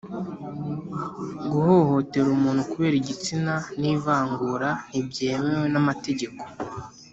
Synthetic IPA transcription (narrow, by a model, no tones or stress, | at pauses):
ɡuho̞ho̞te̞ɾumuːn̥hukuβe̞ːɾiɟit͡sinaniːvaːŋɡuɾanibɟe̞ːmewenamate̞ɟe̞ko̞